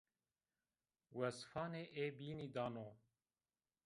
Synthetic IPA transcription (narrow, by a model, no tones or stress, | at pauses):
wɛsfɑːneːʔeːbiːnid̪ɑːnoː